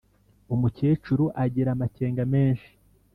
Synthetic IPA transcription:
umuceːt͡ʃuɾuʔaɟiɾamaceːŋɡame̞ːnʃi̥

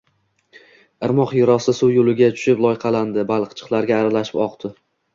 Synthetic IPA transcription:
ɨɾmɒqjʊɾɒsɪsuwjolɪɡʲat͡ʃʰʊ̥ʃɪplˠɒjqʰɑland̪ɪbalˠqt͡ʃʰɨ̥qlˠaɾɡʲaːɾalaʃɪ̥pɒqt̪ʰɪ

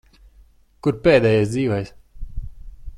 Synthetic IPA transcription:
kuɾpeːd̪ɛːjɛsd̪ziːvɛjs

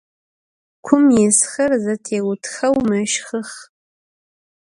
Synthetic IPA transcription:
kʷʰʊmjɪsxɐrzɐtʰeːwʊtʰxɐwmɐʃχəχ

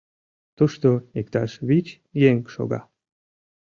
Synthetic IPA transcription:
t̪uʃt̪oekt̪aʃβit͡ɕ | jeŋkʃo̰ɡa̰

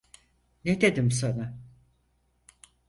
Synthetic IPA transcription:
ned̪ed̪imsana

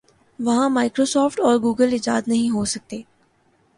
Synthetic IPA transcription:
ʋɐɦãmaːɪkɾoːsɔːfʈɔːɾɡuːɡəlɪd͡ʒaːd̪nɐɦĩɦoːsɐk̚t̪eː

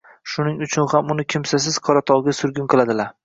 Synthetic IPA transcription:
ʃʊnɪŋʊt͡ʃʰʊnhamʊnɪkʲʰɪmsas̬ɪz̥qʰɒɾat̪ʰɒwˠɡʲasʊɾɡʲɪnqʰɨlˠad̪ɪlaɾ

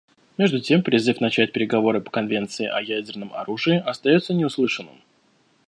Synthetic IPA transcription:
mʲe̞ʐd̪ʊtʲe̞mpɾʲɪzɨfnɐt͡ɕæt̚ʲpʲɪɾʲɪɡɐvo̞ɾɨpə̥kɐnvʲe̞nt̪sɨɪ̰ʔɐjædʲɪrnəmʔɐ̰ɾuʐɨɪʔɐst̪ɐjot̪sənʲɪʊslˠɨʂɨnːɨ̰m

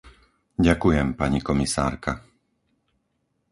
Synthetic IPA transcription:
ɟakujɛmpaɲikɔmisa̰ːɾka

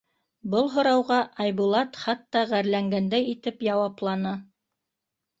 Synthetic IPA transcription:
bɤlˠɦŏɾɑwʁɑʔɑjβulˠɑt̪χɑt̪ːɑʁæɾlæŋɡænd̪æjit̪ɘpjɑwɑplˠɑnɤ

